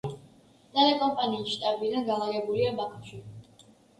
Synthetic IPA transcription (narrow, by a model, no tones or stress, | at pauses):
nalɛkʼɔmpʼaniːsʃt̪ʼabid̪anɡalaɾɛbuliabakʰʃi